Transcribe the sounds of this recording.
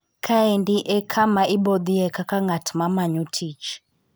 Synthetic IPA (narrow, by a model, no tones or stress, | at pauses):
kʰaɛndiʔɛkʰamaʔiɓɔd̪iɛkakaŋɡatmamaɲutʰit͡ʃ